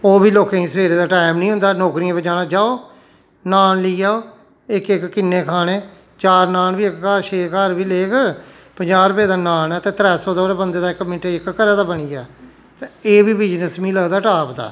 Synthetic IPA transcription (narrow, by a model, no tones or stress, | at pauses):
oːbiːloːkãːĩsəʋeːɾeːd̪aːʈaːɪmnĩːɦʊ̃nd̪aːnɔːkɾiãːbəɲd͡ʒaːnaːd͡ʒaːoː | naːnliːaːoː | ɪkɪkːɪnːeːkʰaːɽeː | t͡ʃaːɾnaːnbiːɪkkaːʃeːkaːɾbiːleːɡpəɲd͡ʒaːɾpeːd̪aːnaːnɛːt̪ẽːt̪ɾɛːsɔːd̪ɔːɾeːbənd̪eːd̪aːɪkːmɪʈeɪkkəɾɛːd̪aːbəɳiːɛː | t̪ãeːbiːbɪd͡ʒnəsmĩːləɡd̪aːʈaːpd̪a̰ː